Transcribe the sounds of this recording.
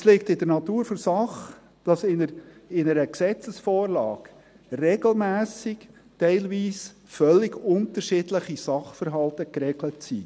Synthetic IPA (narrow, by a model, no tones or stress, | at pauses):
slɪk̚tɪdəɾnɑt̪uːɾfɔɾsɑχ | d̥ɑsɪnəɪnəɾəksɛt͡səsfoːɾlɑ̰ːɡ | rɛɡl̩mæːsɪk | tɛɪlʋiːs | fœlːɪɡʊnt̪əɾʃɪːdləχisɑχfəɾɦɑlt̪əkɾɛɡlətsḭ